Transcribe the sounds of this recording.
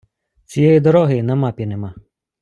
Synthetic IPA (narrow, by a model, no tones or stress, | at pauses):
t͡sʲijɛjid̪ɔɾɔɦɪnɐmɑpʲinemɑ